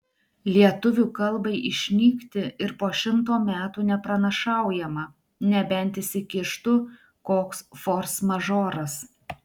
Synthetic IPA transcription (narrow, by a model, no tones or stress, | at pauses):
lʲiɛt̪ʊʋʲuːkɐlˠbɐɪʔɪʃʲnʲiːkt̪ʲɪɪɾpoːʃʲɪmt̪̬oːmʲæːt̪uːnʲɛpɾɐnɐʃɑˑʊjɛmɐ | nʲɛbʲɛnʲt̪ʲɪsʲɪkʲɪʃt̪ʊ | koːksfoːɾsmɐʒoːɾɐs